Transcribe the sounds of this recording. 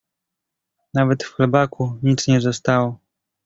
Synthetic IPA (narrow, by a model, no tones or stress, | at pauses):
navɛt̪fxlɛbakʰuɲit̪sɲɛzɔst̪awɔ